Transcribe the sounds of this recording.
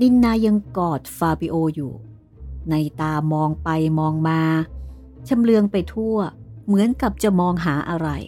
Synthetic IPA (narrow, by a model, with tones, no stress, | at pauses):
ni˧˥nːaː˧ja˧ŋkɔː˨˩t̪̚faː˧pi˧ʔoː˧jṵː˨˩ | na˧jt̪aː˧mɔː˧ŋpa˧jmɔː˧ŋmaː˧ | t͡ɕʰa˧mlɯ˧əŋpa˧jt̪ʰu˥˩ɐmɯ˩˦ənka˨˩p̚t͡ɕa˨˩mɔː˧ŋɦaː˩˦ʔa˧ɾa̰˧j